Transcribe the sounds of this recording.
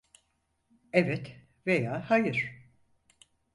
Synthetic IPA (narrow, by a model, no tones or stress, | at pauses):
ɛvɛt̪ | vejaːhajɯɾ̥